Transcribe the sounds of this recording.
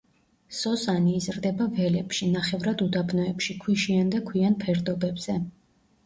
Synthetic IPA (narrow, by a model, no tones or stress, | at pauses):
sɔsaniːzɾd̪ɛbavɛlɛpʃinaχɛvɾad̪ud̪abnɔɛpʃikʰwiʃiand̪akʰwianpʰɛɾd̪ɔbɛbz̥ɛ